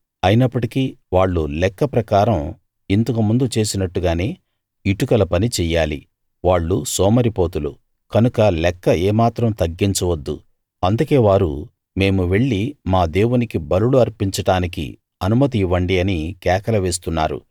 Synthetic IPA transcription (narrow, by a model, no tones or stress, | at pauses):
ɐjinɐpːɐʈikiʋaːɭːulɛkːɐpɾɐkaːɾɐm | int̪ɐkumund̪ut͡ʃe̞ːsinɐʈːuɡaːne̞ː | iʈukɐlɐpɐnit͡ʃɛːjaːlḭ | ʋaːɭːusɔːmɐɾipo̞ːt̪ulṵ | kɐnukɐlɛkːɐɛːmaːt̪ɾɐmt̪ɐɡːiɲt͡ʃɐʋɐd̪ːṵ | ɐnd̪ukeːʋaːɾu | me̞ːmuʋe̞ɭːimaːd̪e̞ːwunikibɐluluɐɾpiɲt͡ʃɐʈaːnikḭ | ɐnumɐt̪̬iʋɐɳɖiɐnikɛːkɐlɐʋe̞ːs̬t̪unːa̰ːɾṵ